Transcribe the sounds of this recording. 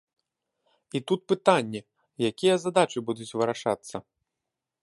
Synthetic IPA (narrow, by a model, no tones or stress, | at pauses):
it̪ut̪̚pɨt̪anʲːɛ | jakʲijɐzad̪at͡ʂɨbud̪ut͡sʲvɨɾaʂa̰t̪sːɐ